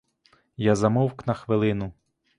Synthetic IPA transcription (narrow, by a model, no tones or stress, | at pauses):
jazɐmɔwknɐxʋɪlˠɪnʊ